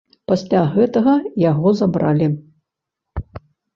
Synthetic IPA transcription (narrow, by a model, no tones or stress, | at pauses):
pasʲlʲaɣɛt̪ɐɣɐjaɣɔzabɾalʲi